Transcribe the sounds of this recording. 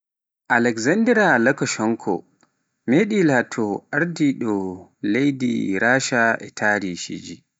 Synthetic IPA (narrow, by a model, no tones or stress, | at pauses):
ʔalɛkzandɛɾalakɔʃɔŋkʰɔ̰ | meɗilatʰɔʔaɾdiɗɔlejdḭɾʔaːʃaʔɛtʰaːɾiʃḭd͡ʒi